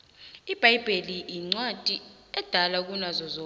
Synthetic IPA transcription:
ib̥ʱajb̥ʱeliiŋ͡ǀwad̥ʱi | ɛd̥ʱalak̬unazɔzɔ

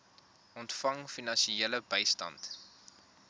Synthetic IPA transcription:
ʔɔntfɐŋfinɐnʃieləbəjstɐ̰nt

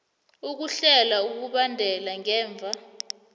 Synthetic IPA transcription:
uk̬uɬɛlauk̬uɓandʱɛlaŋɛːɱb̪vʱa

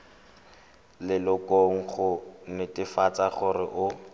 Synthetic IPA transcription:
lɪlʊkoŋ̩χʊnɪtɪfat͡saχʊrɪʔʊ

